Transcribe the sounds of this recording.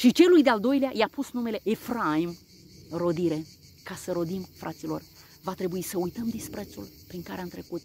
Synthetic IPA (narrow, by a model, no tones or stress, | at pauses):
ʃit͡ʃe̞lujd̪eald̪o̞jleajapusnume̞le̞ʔefɾaim | ro̞d̪iɾe̞ | kasəɾo̞d̪imfɾʔat̪silo̞̰r | vat̪ɾe̞buisəujt̪əmd̪ispɾet̪sul | pɾiŋkaɾeant̪ɾe̞kut̪